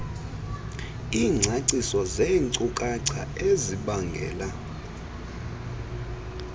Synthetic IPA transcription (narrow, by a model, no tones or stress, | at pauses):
iːŋ͡ǀʱaǀisɔzeŋǀukʼaǀʰa̰eziɓaŋɡʱɛ̰ːla